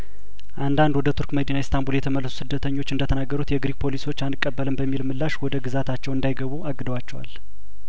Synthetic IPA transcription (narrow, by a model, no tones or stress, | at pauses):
ʔand̪and̪wɔd̪ət̪ʰuɾkməd̪inajɛst̪ʰambuljɛt̪ʰəməlːsu̥sɨd̪ːət̪ʰəɲːo̞t͡ʃːɨnd̪ət̪ʰənaɡːəɾut̪jɛɡɾik̚pʰo̞liso̞t͡ʃːanɨkʼːəbːələmbəmːilmɨlːaʃwɔd̪əɡɨzat̪ʰat͡ʃːɛwɨnd̪ajɡəβuaɡːɨd̪əwat͡ʃːɛwa̰l